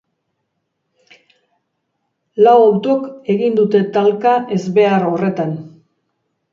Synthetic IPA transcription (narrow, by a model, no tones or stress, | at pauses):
lawawt̪oke̞ɣind̪ut̪e̞t̪alkaʔe̞zβe̞aɾo̞re̞t̪an